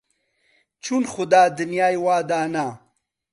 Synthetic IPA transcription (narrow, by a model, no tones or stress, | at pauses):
t͡ʃʰunxʊd̪aːd̪unjaːjwaːd̪aːna